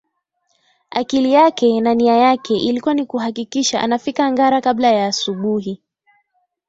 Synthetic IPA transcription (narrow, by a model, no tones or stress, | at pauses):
akilijakɛnaniajakʰɛʔilikuwanikuhakikiʃaʔa̰nafikaŋɡaɾakaɓlajaːsuɓuɦi